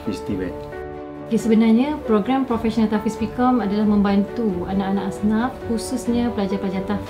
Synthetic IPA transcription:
fist̪ivɛ̰t | jasəbənarɲãpɾoɡɾampɾofɛsɔnãt̪afispikɔmadalahmə̃mbant̪uanaʔanaʔasnaf̚hususɲãpəlad͡ʒapəlad͡ʒat̪a

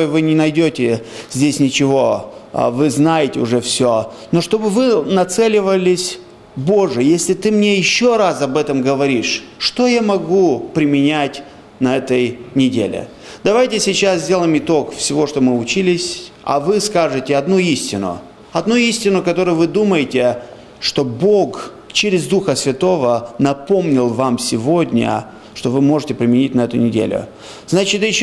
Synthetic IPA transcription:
jvɨnʲɪnɐjdʲotʲɪzʲdʲesʲnʲɪt͡ɕɪvo̞̰vɨznajɪtʲɪʊʐɛfsʲo | noʂt̪o̞bɨvɨnɐt̪sɛlʲɪvəlʲɪsʲ | bo̞ʐɨjesʲlʲɪt̪ɨmnʲejɪɕːo̞ɾasɐbɛt̪əmɡəvɐɾʲiʂʂt̪o̞jamɐɡupɾʲɪmʲɪnʲætʲ | nɐɛt̪əjnʲɪdʲḛlʲɪ̰ | d̪ɐvajtʲɪsʲɪt͡ɕaszʲdʲelˠəjmɪt̪o̞kfsʲɪvo̞ʂt̪o̞mɨʊt͡ɕilʲɪsʲɐ̰vɨskaʐɨtʲɪɐd̪nuisʲtʲɪnʊ̰ | ɐd̪nuisʲtʲɪnʊkɐt̪o̞ɾʊjʊvɨd̪uməjɪtʲɪ | ʂt̪o̞bok | t͡ɕɪɾʲɪzd̪uxəsvʲɪt̪o̞vənɐpo̞mnʲɪlˠvamsʲɪvodʲnʲə̰ | ʂt̪o̞vɨmo̞ʐɨtʲɪpɾʲɪmʲɪnʲitʲnɐɛt̪ʊnʲɪdʲḛlʲʊ̰ | znat͡ɕɪt̪jɪɕ

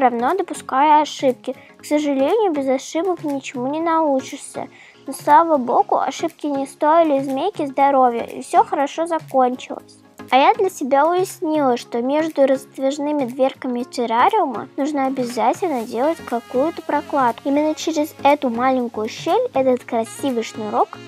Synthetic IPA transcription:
ɾɐvno̞d̪əpʊskajəɐʂɨp̚kʲɪ | ksəʐɨlʲenʲɪjʊbʲɪzɐʂɨbəknʲɪt͡ɕɪmunʲɪnɐut͡ɕɪʂsʲə̰ | noslˠavəbo̞ɡʊ̰ɐ̰ʂɨp̚kʲɪnʲɪst̪oɪlʲɪzmʲejkʲɪzd̪ɐɾo̞vʲjə̰ʔḭfsʲoxəɾɐʂozɐkonʲt͡ɕɪ̰lˠə̰sʲ | ɐjad̪lʲəsʲɪbʲaʊjɪsʲnʲilˠəʂt̪o̞mʲe̞ʐd̪ʊɾəst̪vʲɪʐnɨmʲɪd̪vʲerkəmʲɪfʲɪɾaɾʲɪʊmə̰nuʐnəɐbʲɪzatʲɪlʲnədʲe̞lˠətʲkɐkujʊt̪əpɾɐklˠat̪̚kʊimʲɪnːət͡ɕɪɾʲɪzɛt̪ʊmalʲɪnʲkʊjʊɕelʲɛt̪ət̪kɾɐsʲivɨjʂnʊɾo̞k

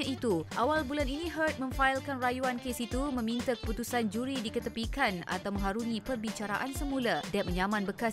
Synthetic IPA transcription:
ãit̪uʔawalbulaninĩɦərt̪̚mə̃ɱfailkanrajuankesit̪umə̃mĩnt̪akə̥put̪usand͡ʒuɾidikət̪əpikana̰t̪awmə̃ŋɦaɾuŋĩpərbit͡ʃaɾa̰ʔansəmũladaat̪̚mə̃ɲamãnbəkas

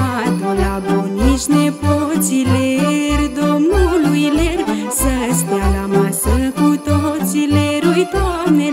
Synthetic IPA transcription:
ad̪ulabonisnepot͡ʃileɾd̪omulujleɾ | səɦspjalamasəlkut̪ot͡ʃileɾujt̪oane

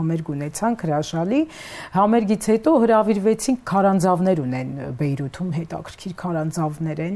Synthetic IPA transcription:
ɑmɛɾɡunɛt͡sʰɑŋkʰhəɾɑʃɑli | hɑmɛɾɡit͡sʰhɛt̪ɔhəɾɑviɾvɛt͡sʰiŋʰːɑɾɑnd͡zɑvnɛɾunɛnbɛjɾut̪ʰumɦɛt̪ɑ̰kʰə̥ɾ̥kʰiɾkʰɑɾɑnd͡zɑvnɛɾɛn

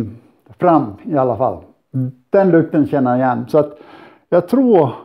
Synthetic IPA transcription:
fɾamːɪalːafa̰l | d̪̥ɛnlɵk̚t̪ənɕɛnːəɾɪjɛnːsɔat̪ | jɑːɡt̪ʰɾuːɾ

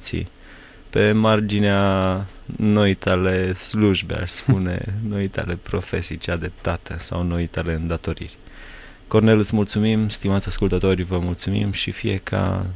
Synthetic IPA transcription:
t̪sḭ | pe̞mard͡ʒinea | noit̪ale̞sluʒbea̰ʃspunḛnoit̪a̰le̞pɾo̞fe̞sijt͡ʃead̪ep̚t̪at̪əsa̰wno̞it̪aleɨnd̪at̪o̞ɾḭrʲ | ko̞rne̞lɨt̪smult̪sumimst̪imat̪sʲaskult̪ət̪o̞ɾʲvəmult̪sumḭmʃifijekʰa̰

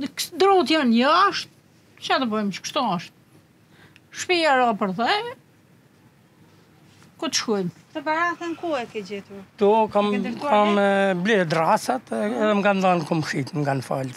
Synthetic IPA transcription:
kd̪ɾɔt̪janjaʃt̪̚ | t͡ʃat̪əbɔjmt͡ʃə̥kʃt̪uɔʃt̪̚ | ʃpiaɾapəɾðɛ | kut̪ə̥ʃkɔjm | t̪əbaɾaθɛnkuɛkɛd͡ʑɛt̪uɾt̪ukamkamblɛɛd̪ɾasat̪ɛðɛmɡand̪ankɔmʃit̪mɡanfa̰lt̪

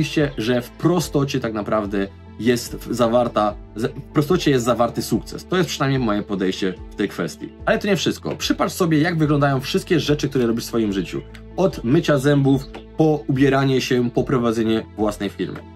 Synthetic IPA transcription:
vʲiɕt͡ɕɛʐɛfpɾɔst̪ɔt͡ɕɛt̪aknapɾavd̪ɛ | jɛst̪zavaɾt̪azfpɾɔst̪ɔt͡ɕɛjɛst̪zavaɾt̪ɘsuk̚t̪sɛ̰st̪ɔjɛspʂɨnajmɲejmɔjɛpɔd̪ɛjɕt͡ɕɛft̪ɛjkfɛst̪ʲjḭalɛt̪ɔɲɛfʂɘst̪̚kɔ̰pʂɘpat͡ʂsɔbʲjɛjaɡvɘɡlɔnd̪ajɔ̃w̃fʂɘst̪kʲɛʐɛt͡ʂɘk̚t̪uɾɛɾɔbʲiʂfsfɔjimʐɘt͡ɕṵ | ɔt̪mɘt͡ɕazɛmbufpɔubʲjɛɾaɲɛɕɛpɔpɾɔvad̪zɛɲɛvwasnɛjfʲḭɾmɘ̰

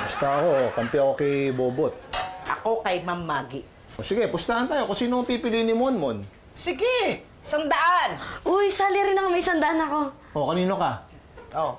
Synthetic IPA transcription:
pʊst̪aʔɐko̞kɐmpɛʔɐko̞kɪboːbot̪̚ʔɐ̰ko̞kɐjmɐmːaːɡɪʔ | ʔosɪɡɛpʊst̪aʔɐnt̪aːjo̞kʊnsiːnopiːpɪlijnɪmonmon | sɪɡɛ | sɐnd̪ɐʔanʔojsaːlɪɾɪnɐŋmɐjsɐnd̪ɐʔanɐko̞ | ʔo̞kɐniːno̞ka | ʔo

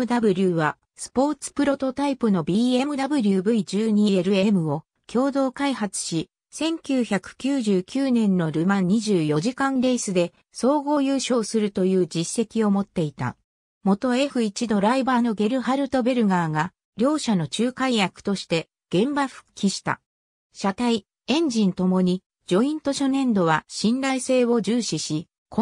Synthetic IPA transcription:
ɯd̪abɯ̟ɾʲɯːβa | sɨ̥po̞ːt͡sɨ̥pɯ̟ɾo̞t̪o̞t̪aipɯ̟no̞bʲiːe̞mɯ̟d̪abɯ̟ɾʲɯbɯ̟id͡ʑɨːɲ̟ie̞ɾɯ̟e̞mɯ̟o̞ | kʲʰo̞ːd̪o̞ːkaihat͡sɨ̥ɕi | sẽ̞ŋkʲɨːçakɯ̟̥kʲɨːʑɨːkʲɨːnẽ̞nːo̞ɾɯ̟mãiʑɨːjo̞ʑikãnɾe̞sɨd̪e̞ | so̞ːɡo̞ːjɯ̟ːɕo̞ːsɨɾɯ̟t̪o̞jɯ̟ːd͡ʑisːe̞kʲio̞mo̞t̪ːe̞it̪a̰ | mo̞t̪o̞e̞ɸɯ̟it͡ɕid̪o̞ɾaibaːnoɡe̞ɾɯ̟haɾɯ̟t̪o̞be̞ɾɯ̟ɡaːɡa | ɾʲjo̞ːɕano̞t͡ɕɨːkaijakɯ̥t̪o̞ɕi̥t̪e̞ | ɡ̥ẽ̞mbaɸɯ̟̥kʲːiɕi̥t̪a̰ | ɕat̪ai | ẽ̞ɲ̟d͡ʑĩnt̪o̞mo̞ɲ̟i | d͡ʑo̞ĩnt̪o̞ɕo̞nẽ̞nd̪o̞βaɕĩnɾaise̞ːβo̞d͡ʑɨːɕiɕi | ko

